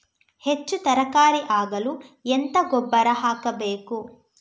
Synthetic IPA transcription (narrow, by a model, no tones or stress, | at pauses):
het͡ʃːut̪ɐɾɐkaːɾiʔaːɡɐluent̪ɐɡɔbːɐɾɐɦaːkɐbeːku